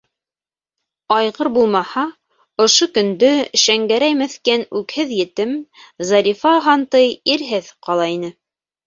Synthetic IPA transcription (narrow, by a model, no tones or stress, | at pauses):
ɑjʁɤɾbulˠmɑhɑ | ŏʃokɵ̆nd̪ɵʃæŋɡæɾæjmæθkænʉkhɘðjɘ̆t̪ɘmzɑɾifɑɦɑnt̪ɤjiɾɦɘðqɑlˠɑinɘ